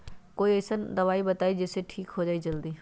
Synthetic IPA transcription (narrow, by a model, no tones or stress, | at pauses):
koːieːsənd̪ɐʋaːibɐt̪aːid͡ʒɪseʈʰiːkɦod͡ʒaːid͡ʒɐld̪iː